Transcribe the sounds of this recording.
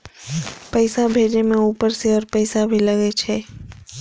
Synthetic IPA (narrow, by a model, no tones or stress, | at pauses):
pəɪsabʱeːd͡ʒemẽuːpəɾseɔːɾpəɪsabʱilɐɡet͡ʃʰɛː